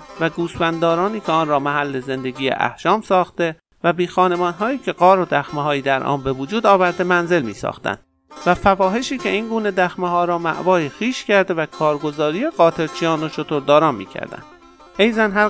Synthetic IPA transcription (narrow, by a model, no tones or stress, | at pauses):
væɡuːsbænd̪ɒːɾɒːniːcʰeɒːnɾɒːmæɦælːe̞ze̞nd̪eɡiːḛʔæ̰hʃɒːmsɒːxt̪e̞ | væbiːxɒːne̞mɒːnɦɒːjiːcʰe̞ɢɒːɾod̪æxmeɦɒːjiːd̪æɾʔɒ̰ːnbe̞vod͡ʒuːd̪ɒːvæɾd̪e̞mænze̞lmḭːsɒ̰ːxt̪æ̰nd̪̥ | væfævɒːɦe̞ʃiːcʰe̞iːŋɡuːne̞d̪æxmeɦɒːɾɒːmæ̰ʔvɒːjixiːʃcʰæɾd̪evækʰɒːɾɡo̞zɒːɾije̞ɣɒːt̪ʰe̞ɾt͡ʃʰijɒːnot͡ʃʰot̪ʰoɾd̪ɒːɾɒːnmḭːcʰæ̰ɾd̪æ̰nd̥̪ | hejzænɦæ